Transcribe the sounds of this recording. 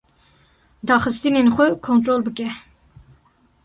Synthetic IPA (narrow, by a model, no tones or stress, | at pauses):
d̪ɑːχɨst̪inenxʷɛkʰont̪ɾoːlbɨkʲɛ